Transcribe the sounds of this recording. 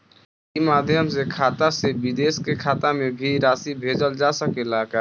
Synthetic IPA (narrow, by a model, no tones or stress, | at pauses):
imad̪ʱjəmsekʰaːt̪asebid̪eskekʰat̪amebʱiɾasibʱed͡ʒəld͡ʒasəkelaka